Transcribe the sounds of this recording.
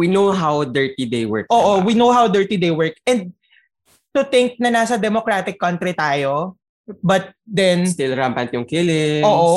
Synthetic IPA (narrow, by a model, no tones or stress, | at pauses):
winowɦawd̪ɛɹt̪id̪ejwɛ̰ɹkʔoːʔowinowɦawd̪ɛɹt̪id̪ejwɛɹk̚ɛ̃nd̪̚ | t̪ʊt̪ɪŋk̚nɐnaːsɐd̪ɛmokɾaːt̪ɪkːɐnt̪ɾit̪aːjo | bɐt̪̚d̪ɛnst̪ɪlɾampɐnt̪jʊŋkɪlɪoːʔo